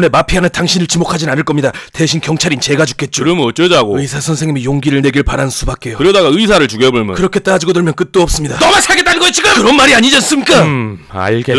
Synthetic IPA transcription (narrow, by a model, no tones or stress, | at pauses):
une̞mapʰiɦanɯntʰaŋɕʰinɯɭt͡ɕimokʰad͡ʑinanɯɭk͈ʌmɲidate̞ɕʰinkjʌŋt͡ɕʰaɾint͡ɕe̞ɡad͡ʑu̥k͈e̞t̚t͡ɕ͈oɾʌmɯʌt͡ɕ͈ʌd͡ʑaɡoɯisʰasʰʌnsʰeŋɲimijoŋɡiɾɯɭne̞ɡiɭpaɾannsʰubak͈e̞jokɯɾʌdaɡaɯisʰaɾɯɭt͡ɕuɡeboɭmjʌkɯɾʌkʰe̞t͈aad͡ʑiɡodoɭmjʌnk͈ɯt̚t͈oʌp̚s͈ɯmɲidanʌmasʰaɭɡet͈anɯnɡʌjt͡ɕiɡɯmkɯɾʌnmaɾiaɲid͡ʑans͈ɯmɲik͈aa̰ɭɡe